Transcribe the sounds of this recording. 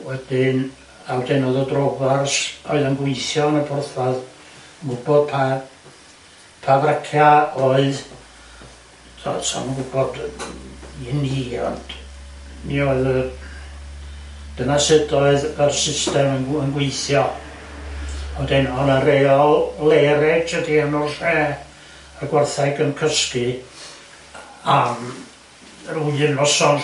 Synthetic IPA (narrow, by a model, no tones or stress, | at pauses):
wɛd̥ɪn | awdenɔðɔdrovarsɔɨðənɡweɨθjɔnəbʊrθvað | ənɡʊbɔd̥̚pʰa | pʰavrəkʰjaɔɨð | tɔ̰dsɔ̰nənɡʊbɔd̥ | iniɔ̰nd̥ | miɔɨðə | d̥ənasɪdɔɨðərsɪstɛməənɡweɨθjɔ | ɔdɛnɔnəɾejɔlˠleɾɛədiənɔrʃɛː | ərɡwarθajɡənkʰəskɨ | am | rujɨnɔsɔn